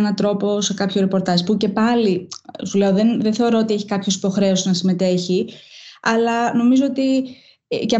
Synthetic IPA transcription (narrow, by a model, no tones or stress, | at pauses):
nɐt̪ɾo̞po̞se̞kɐpçoɾepo̞ɾt̪ɐspuce̞pɐlisuleo̞ðenðenθe̞oɾo̞ot̪ieçi̥kɐpço̞si̥po̞xɾe̞osznɐsime̞t̪e̞çiɐlɐno̞mizo̞o̞t̪i | ce